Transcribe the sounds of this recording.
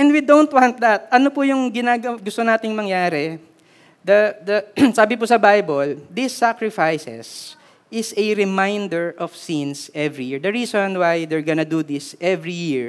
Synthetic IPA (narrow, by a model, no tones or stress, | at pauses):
ʔɛ̃nd̪wid̪ownt̪̚wãnt̪̚d̪ɐt̪̚ʔɐnopʊjʊŋɡɪnaːɡɐwɡʊst̪onaːt̪ɪŋmɐŋjaːɾɛ | d̪ɐd̪ɐsaːbɪpʊsɐbajbold̪ɪsːakɹɪfajsɛ̰s | ɪsɐɾɪmajnd̪ɛɹʔɔfsĩnsɛvɹijɪɹd̪ɐɹiːsonwajd̪ɛɹɡɐnɐd̪ud̪ɪsʔɛvɹijɪɹ